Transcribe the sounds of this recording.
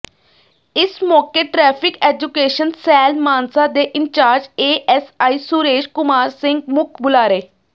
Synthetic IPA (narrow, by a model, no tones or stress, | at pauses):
ɪsmɔːkeːʈɾɛːpʰɪkeːd͡ʒukeːʃənsɛːlmaːnsad̪eːʔɪɲt͡ʃaːɾd͡ʒeːʔɛsaːiːsuɾeːʃkʊmaːɾsɪ̃ŋɡmʊkʰbʊlaːɾeː